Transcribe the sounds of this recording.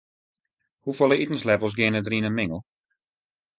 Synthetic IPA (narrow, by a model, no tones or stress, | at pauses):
hufolˠəitən̩slɛpəlˠs̬ɡɪənədriənənmɪŋəl̩ˠ